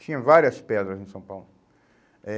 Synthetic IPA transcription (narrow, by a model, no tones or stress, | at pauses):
t͡ʃĩɲɐ̃vaɾiɐspɛd̪ɾɐzẽsɐ̃w̃pawlʊ | ɛ